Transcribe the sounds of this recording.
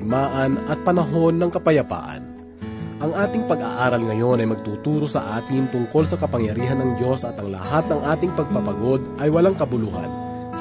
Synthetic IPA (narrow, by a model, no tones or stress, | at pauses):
ɡ̚maːʔɐnɐt̪̚pɐnɐɦo̞nːɐŋkɐpɐjɐpa̰ːʔɐ̰n | ʔɐŋʔaːt̪ɪŋpɐɡa̰ʔaːɾɐlŋɐjo̞nɐjmɐɡ̚t̪uːt̪uːɾo̞sɐ̰ʔaːt̪ɪnt̪ʊŋko̞lsɐkɐpɐŋjɐɾiːɦɐnːɐŋd̪jo̞sɐt̪ɐŋlɐ̰hat̪̚nɐŋʔaːt̪ɪŋpɐɡ̚pɐpɐɡo̞d̪ʔɐjwɐlaŋkɐbʊluːhɐ̰n